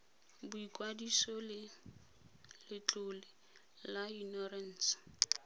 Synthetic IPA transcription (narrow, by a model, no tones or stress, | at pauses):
bʊikʼwadisɔlɪ | lɪt͡ɬʼʊlɪ | lainɔrɛn̩ːs